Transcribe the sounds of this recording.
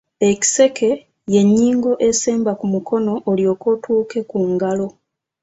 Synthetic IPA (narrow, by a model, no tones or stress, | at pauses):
e̞ci̥se̞kʰe̞ | je̞ɲːiːŋɡo̞ʔe̞seːmbakumukʰo̞no̞ʔːljo̞ːko̞tʰuːke̞kuŋɡalo̞